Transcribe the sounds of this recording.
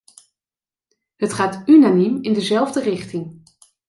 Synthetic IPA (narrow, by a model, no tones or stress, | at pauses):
ɦətχaːtynanimɪndəzɛlˠvdərɪχtɪŋ